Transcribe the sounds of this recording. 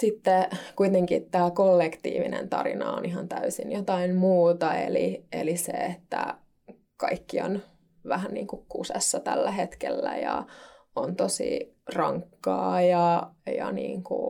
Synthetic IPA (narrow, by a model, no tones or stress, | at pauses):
sit̪ːekuit̪eŋkit̪tæːkolːekt̪iːʋinḛnt̪ɑ̰rinɑoniɦɑnt̪æysinjot̪ɑimmuːt̪ɑelieliseet̪ːæ | kɑikːion | ʋæhænniːŋkukkusesːɑt̪ælːæɦet̪kelːæjɑ | ont̪osḭrɑŋkːɑːjɑjɑniːŋku